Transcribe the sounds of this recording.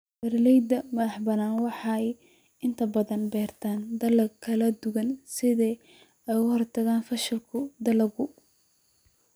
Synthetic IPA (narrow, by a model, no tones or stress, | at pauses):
b̥ɐɾlɛjd̪ɐmɐðɑħbɐnaːnwɑħɑɛj | ɪnt̪ʰɐbɐðɐnbɛːrt̪ʰaːnd̪ɐlɐkʰːɐlɐd̪ʊɣɐnsɪðɛː | ɛjʊhɔrt̪ʰɐɣaːnfɐʃɐlkʰʊd̪ɐlɐɣʊ